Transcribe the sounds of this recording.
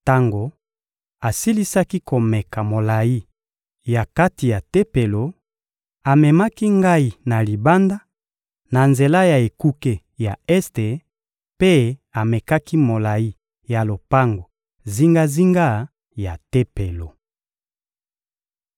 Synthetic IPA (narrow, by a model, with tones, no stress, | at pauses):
ta˦ŋɡo˨ | a˨si˦li˦sa˦ki˦ko˨mɛ˨ka˨mo˨la˨ji˦ | ja˨ka˦ti˨ja˨te˦pe˨lo˨ | a˨mɛ˨ma˦ki˦ŋɡa˦i˨na˨li˨ba˦nda˦ | na˨nze˨la˦ja˨e˨ku˦ke˦ | ja˨ɛ˦ste˨ | pe˦a˨mɛ˨ka˦ki˦mo˨la˨ji˦ | ja˨lo˨pa˦ŋɡo˨ | zi˦ŋɡa˦zi˦ŋɡa˦ | ja˨te˦pe˨lo˨